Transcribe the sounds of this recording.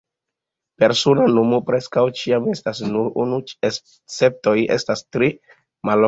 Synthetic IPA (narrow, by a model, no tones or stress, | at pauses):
pe̞ɾsonanomopɾe̞skawt͡ʃiame̞stasnuɾunue | t͡se̞p̚to̞je̞̰stastɾi | mal